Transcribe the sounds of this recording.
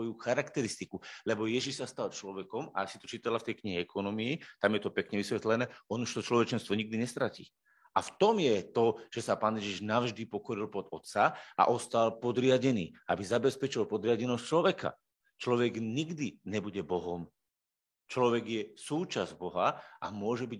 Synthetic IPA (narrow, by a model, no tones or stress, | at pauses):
ɔjuxaɾakt̪ɛɾist̪ikulɛbɔjɛʒiʃsast̪alt͡ʃlɔʋɛkɔma̰sit̪ɔt͡ʃiːt̪alaft̪ɛjkɲiɦɛɛkʰɔnɔmiit̪amjɛt̪ɔpɛkɲɛʋisʋɛt̪lɛnɛːɔnuʃt̪ɔt͡ʃlɔʋɛt͡ʃɛnst̪ʋɔɲiɡd̪iɲɛst̪ɾacḭː | ʔaft̪ɔmjɛt̪ɔʒ̥ɛsapaːnjɛʒiʒnaʊʒd̪ipɔkɔɾilpɔd̪ɔt̪saʔa̰ʔɔst̪alpɔd̪ɾɪaɟɛniːʔabizabɛspɛt͡ʃilpɔd̪ɾɪaɟɛnɔst͡ʃlɔʋɛka̰ | t͡ʃlɔʋɛɡɲiɡd̪iɲɛbuɟɛbɔɦɔm | t͡ʃlɔʋɛɡjɛsuːt͡ʃazbɔɦaʔa̰mʊɔʒɛbiɟ